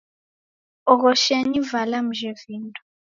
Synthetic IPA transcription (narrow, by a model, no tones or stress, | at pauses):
ɔk̬ɔʃeɲivalam̩ʒeviːntʼu̥